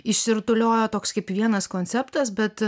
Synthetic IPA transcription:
ɪʃʲsʲɪɾt̪ʊlʲoːjoːt̪oːkskɐɪpʋʲiɛnɐskoːnʲt͡ssʲɛpt̪ɐsbʲɛt̪

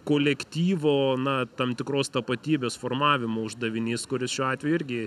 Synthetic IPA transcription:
koːlʲɛkt̪ʲiːʋoːnɐt̪ɐmt̪ʲɪkɾoːst̪ɐpɐt̪ʲiːbʲeːsfoːrmɑːʋʲɪmoːʊʒd̪ɐʋʲɪnʲɪːskʊɾʲɪsʃʲuːɑːt̪ʲʋʲɛjʊɪɾʲɡʲɪ

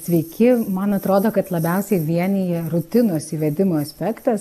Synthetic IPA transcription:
sʲʋʲɛɪkʲɪmɐnɐt̪ɾoːd̪oːkɐt̪lˠɐbʲɛˑʊsʲɛɪʋʲiɛnʲiɛɾʊt̪ʲɪnoːsiʋʲɛd̪ʲɪmoːɐsʲpʲɛkt̪ɐs

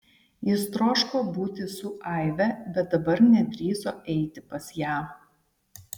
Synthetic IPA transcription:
jɪst̪ɾoːʃkoːbuːt̪ʲɪsʊʔɐˑɪʋʲɛbʲɛt̪̚d̪ɐbɐɾnʲɛd̪ʲɾʲiːzoːʔɛɪt̪ʲɪpɐsjæːm

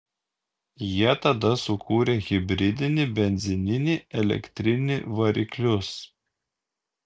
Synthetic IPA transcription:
jiɛt̪ɐd̪ɐsʊkʰuːɾʲeɣʲɪbʲɾʲɪd̪ʲɪnʲɪbʲɛnʲzʲɪnʲɪnʲɪɛlʲɛ̰kʲt̪ʲɾʲɪnʲɪʋɐɾʲɪklʲʊs

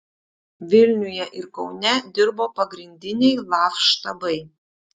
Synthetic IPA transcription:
ʋʲɪlʲnʲʊjɛʔɪɾkɒʊnʲɛd̪ʲɪɾboːpɐɡɾʲɪnʲd̪ʲɪnʲɛɪlˠɑːfʃt̪ɐbɐɪ

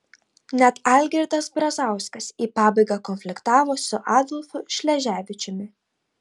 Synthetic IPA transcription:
nʲɛt̪ɐˑlʲɡʲɛɾʲt̪ɐsbɾɐzɑˑʊsʲkɐsiːpɑːbɐɪɡɑkɔnʲfʲlʲɪkt̪ɑːʋoːsʊʔɑːd̪ɔlʲˠfʊʃʲlʲɛʒʲæːʋʲɪt͡ʃʲʊmʲɪ

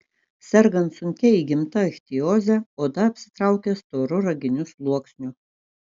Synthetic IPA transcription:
sʲɛɾɡɐnt̪sʊŋʲkʲɛiɡʲɪmt̪ɐxʲt̪ʲɪjoːzʲæoːd̪ɐɐpʲsʲɪ̥t̪ɾɑˑʊkʲɛst̪oːɾʊɾɐɡʲɪnʲʊslˠuɔksʲnʲʊ

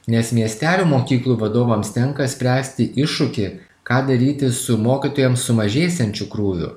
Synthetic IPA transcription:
nʲɛsmʲiɛsʲt̪ʲæːlʲuːmoːkʲiːklˠuːʋɐd̪oːʋɐmst̪ʲɛŋkɐsʲpʲɾʲæːsʲt̪ʲɪʔɪʃːʊkʲɪ | kɑːd̪ɐɾʲiːt̪ʲɪsʊmoːkʲiːt̪oːjɛmsʊmɐʒʲeːsʲɛnʲt͡ʃʲʊkɾuːʋʲʊ̰

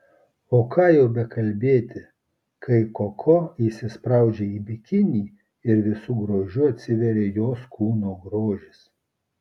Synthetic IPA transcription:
oːkʰɑːjɛʊbʲɛkɐlʲbʲeːt̪ʲɪ | kʰɐɪkokʰoisʲɪspɾɑˑʊd͡ʒʲeːiːbʲɪkʲɪnʲiː | ɪɾʋʲɪsuːɡɾoːʒʲʊɐt̪ʲsʲɪʋʲɛɾʲeːjoːskʰuːnoːɡɾoːʒʲɪs

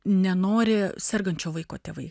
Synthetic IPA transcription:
nʲɛnoːɾʲɪsʲɛrɡɐnʲt͡ʃʲoːʋɐɪkoːt̪ʲeːʋɐɪ

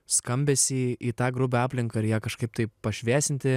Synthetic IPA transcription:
skɐmʲbʲɛːsʲɪiːt̪ɑːɡɾʊbʲɛɑːpʲlʲɪŋkɐɪɾjæːkɐʃkɐɪp̚t̪ɐɪpɐʃʲʋʲæːsʲɪnʲt̪ʲɪ

